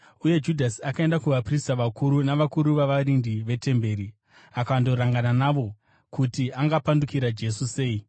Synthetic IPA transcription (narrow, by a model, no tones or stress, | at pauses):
uje̞d͡ʒudʱasiakae̞ndakuʋapristaʋakuɾunaʋakuɾuʋaʋaɾindiʋe̞te̞mbe̞ːɾi | akaando̞ɾaŋɡananaʋo̞ | kutiʔaŋɡapandukiɾad͡ʒe̞suse̞ːi